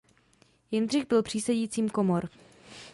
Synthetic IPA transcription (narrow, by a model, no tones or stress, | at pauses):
jɪnd̪r̝ɪxbɪlpr̥iːsɛjiːt͡siːmkomoɾ